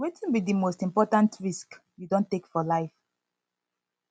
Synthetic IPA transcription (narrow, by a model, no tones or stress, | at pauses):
wetĩnbidimostĩmpɔtãntɹisk | judõntekfɔlaɪf